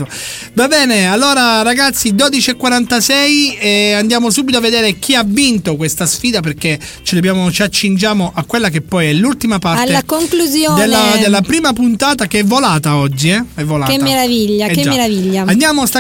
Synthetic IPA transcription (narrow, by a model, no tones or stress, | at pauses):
o | vabɛːnealːoːɾaɾaɡat̪sːid̪oːd̪it͡ʃiɛkːwaɾant̪asɛjɛand̪jaːmosuːbit̪oavːed̪eːɾek̟iavːint̪okwest̪asfiːd̪ap̬erke | t͡ʃid̪objaːmot͡ʃiat͡ʃːind͡ʒaːmoʔakːwelːak̬epːɔjɛlːult̪imapaɾaleːakoŋkluzjod̪elːad̪elːapɾiːmapunt̪aːt̪akeɛvːolaːt̪aɔd͡ʒːiɛɛvːolaemːeɾaviʎːaɛed͡ʒamːeɾaviʎːaand̪jaːmost̪a